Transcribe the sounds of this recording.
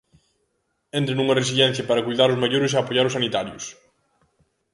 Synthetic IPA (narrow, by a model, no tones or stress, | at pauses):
ent̪ɾenuŋɐres̬iʎɛn̟θjɐpaɾɐkujðaɾʊzmaʎoɾʊs̬eapojaɾʊsanit̪aɾjʊs